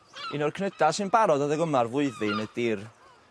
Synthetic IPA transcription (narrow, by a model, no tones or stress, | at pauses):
ɪnɔrkʰnədasɨnbaɾɔdaðəɡəmarvʊɨðɨnəd̥ɪːr